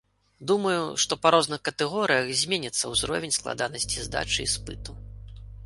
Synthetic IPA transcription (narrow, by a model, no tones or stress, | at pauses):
d̪umɐjuʂt̪ɔpɐɾɔznɨxkɐt̪ɛɣɔɾɨjɐxzʲmʲenʲɐt̪sːɐwzɾɔ̰vʲɛnʲsklˠa̰d̪a̰nɐsʲt͡sʲizd̪a̰t͡ʂɨispɨt̪u